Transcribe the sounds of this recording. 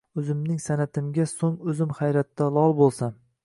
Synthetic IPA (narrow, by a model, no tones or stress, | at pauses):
ɵzɪmnɪŋsanat̪ʰɪmɡʲasoŋɵzɪmχajɾat̪ːalˠɒlˠbolˠsam